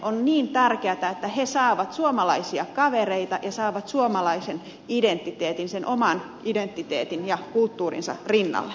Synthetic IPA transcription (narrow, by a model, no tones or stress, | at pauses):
ʔonniːnt̪ærkeæt̪æet̪ːæhesɑːʋɑt̪suomɑlɑisiɑkɑʋereit̪ɑjɑsɑːʋɑt̪suomɑlɑisen | ident̪ːit̪eːt̪insenʔomɑn | ʔident̪ːit̪ḛːt̪injɑkult̪ːuːrḭnsɑ̰rinːɑ̰lːe